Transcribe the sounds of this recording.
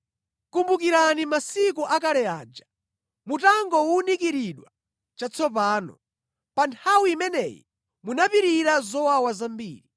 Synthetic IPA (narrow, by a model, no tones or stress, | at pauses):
kumbukiɾanimasikuʔakalɛaːd͡ʒa | mutaŋɡɔwunikiɾiɗwa | t͡ʃat͡sʰɔp̬aːnɔ̰ | pantʰawiimɛnɛjḭ | munapiɾiɾazɔwawazambḭːɾi